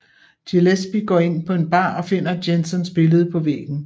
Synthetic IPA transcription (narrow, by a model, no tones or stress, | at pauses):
delesb̥iɡ̥ɒ̰ːe̝n̰pʰɒ̽e̝nb̥ɑ̰̈ːɒ̽fe̝n̰ɐd̥jensɔnsb̥e̝ləð̞ˠpʰɒ̽ʋḛːɡ̥n̩